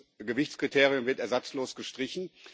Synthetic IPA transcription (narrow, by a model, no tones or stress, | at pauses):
ɡəvɪçt͡skʁ̥itʰeːʁijʊmvɪɐtɛɐzat͡sloːsɡ̥əʃtʁ̥ɪçn̩